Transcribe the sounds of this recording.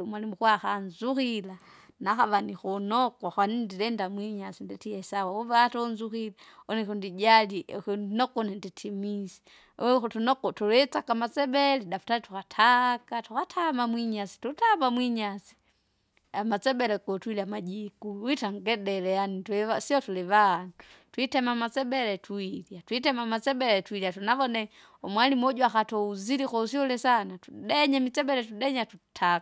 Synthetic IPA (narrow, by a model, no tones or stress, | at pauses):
mwalimuxwaxanzuxila | naxaβanixɔnɔkaxwanindiɾɛndamwiɲasindɛtiɛsawauvaatɔnzuxilaɔnɛkundid͡ʒalikunɔkɔnɛnditʰimisi̥ | xutunɔkɔtuɾɛt͡sakamat͡sɛbɛlidafu̥talituxatʰakatukatʰamamwiɲasi̥tutamamwiɲasi̥ | amat͡sɛbɛlɛkɔtwiliamad͡ʒikuwitaŋɡɛdɛlɛjanituɛasiɔtulɛvantwitɛmamat͡sɛbɛlɛtʰuiljatwitɛmamat͡sɛbɛlɛtwiliatunavɔnɛ | ɔmwalimɔɟuaxatɔuzilikɔusiɔlɛsanatu̥dɛɲamit͡sɛbɛlɛtudɛɲatutʰaka